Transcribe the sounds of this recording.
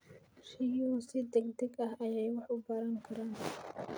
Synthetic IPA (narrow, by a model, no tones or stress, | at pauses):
ʃɪjusɪd̪ɛɡd̪ɛɡɐɦɐjɛjwɑħʊbɐɾɐŋkʰɐɾaːn